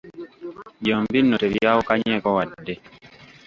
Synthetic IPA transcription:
jɔmbinːɔteɾijawukaɲɛkɔwadːe

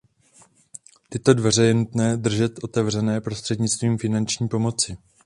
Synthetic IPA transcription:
t̪ɪt̪o̞dvɛr̝ɛjɛnut̪nɛːd̪r̩ʒɛt̪ʔo̞t̪ɛvr̝ɛnɛːpɾo̞st̪r̥ɛdɲɪt͡st̪viːmfɪnant͡ʃɲiːpo̞mo̞t͡sɪ

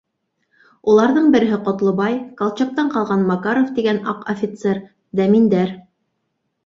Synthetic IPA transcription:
ulˠɑɾðɤɴbɘ̆ɾɘ̆ɦɘqŏt̪lˠŏbɑjkɑlˠt͡ɕɑq̚t̪ɑɴqɑlˠʁɑnmɑkɑɾoft̪iɡænɑqofʲɪt̪seɾ | d̪æmind̪æɾ

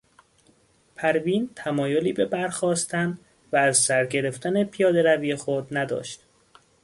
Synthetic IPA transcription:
pʰæɾviːnt̪ʰæmɒːjoliːbe̞bæɾxɒːst̪ʰæn | væːzsæɾɟe̞ɾe̞ft̪ʰæne̞pʰijɒːd̪e̞ɾæviːjexod̪næd̪ɒ̰ːʃt̪

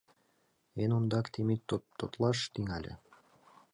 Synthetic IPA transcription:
enond̪ɑkt̪ʰemit̪ːot̪ːot̪lˠɑʃt̪iŋælʲɘ̰

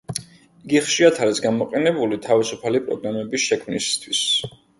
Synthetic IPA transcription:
iɡiχʃiat̪ʰalɛsɡamɔqʼɛnɛbulit̪ʰavisupʰalipʼɾɔ̰ɡɾamɛbisʃɛkʰmnist̪ʰwis

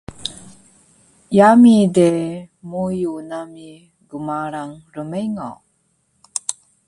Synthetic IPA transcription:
jamidemujunami | ɡumaɾaŋɾəmejŋo̰

